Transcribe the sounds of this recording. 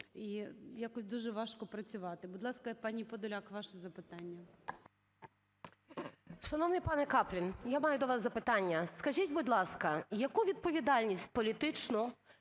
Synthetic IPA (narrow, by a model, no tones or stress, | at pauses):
ijakɔsʲd̪uʒɛʋɑʃkɔpɾɐt͡sʲʊʋɑt̪ɪbʊd̪ʲlˠɑskɐpɑnʲipɔd̪ɔlʲakʋɑʃɛzɐpɪt̪ɑnʲːɐ | ʃɐnɔwnɪjpɑnɛkɑplʲinjamɑjʊd̪ɔʋɑszɐpɪt̪ɑnʲːɐskɐʒitʲbʊd̪ʲlˠɑskɐjɐkuʋʲid̪̚pɔʋʲid̪ɑlʲnʲisʲt̚ʲpɔlʲit̪ɪt͡ʃnɔ